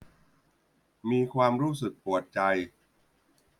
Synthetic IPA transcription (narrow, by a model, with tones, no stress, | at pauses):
miː˧kʰwaː˧mɾuː˦˥˩sɯ˨˩k̚pu˨˩ət̪̚t͡ɕa˧j